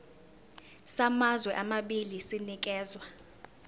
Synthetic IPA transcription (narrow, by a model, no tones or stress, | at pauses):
samazwɛʔamaɓilisinik̬ʼɛːzwa